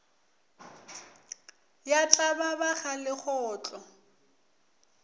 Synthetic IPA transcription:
jat͡ɬʼababaχalɪχɔːt͡ɬʼɔ

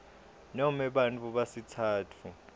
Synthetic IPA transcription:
nɔmɛɓant͡fʰʼuɓasitʰaːtʰu

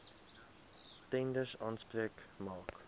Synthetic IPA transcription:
tɛndəsɑːnspriəkmɑːk

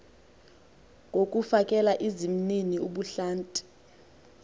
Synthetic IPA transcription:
ŋʱokʼufakʼɛlaʔizim̩niniuɓuɬaːntʼi̥

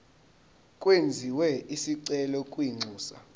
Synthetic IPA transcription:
kʼwend͡zʱiwɛisiǀɛlɔkʼwiŋ͡ǀʱuːsa̰

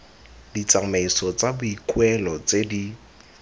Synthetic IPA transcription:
dit͡samaisɔt͡sabʊikʼwɛlɔt͡sedi

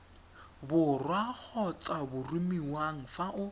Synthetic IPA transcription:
bʊrwak͡xʰɔt͡sʼabʊrumiwaŋ̩faʔʊ

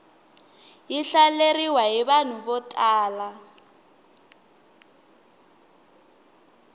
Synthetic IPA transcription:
jiɬaleriwaɦiβan̤ubɔtʼaːla

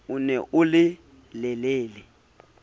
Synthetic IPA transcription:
unɛʔʊlɪ | lɛleːlɛ

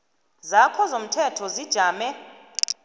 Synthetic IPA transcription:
zakʰɔzom̩tʰɛtʰɔzid̥ʒ̥ʱaːmɛ

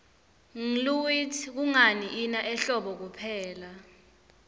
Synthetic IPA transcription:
ŋluwitʰk̬uŋaniʔinaʔɛɬɔɓɔk̬upʰɛːla

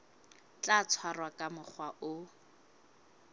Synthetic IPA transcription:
t͡ɬat͡sʰwarwakʼamʊχʰwaʔʊ

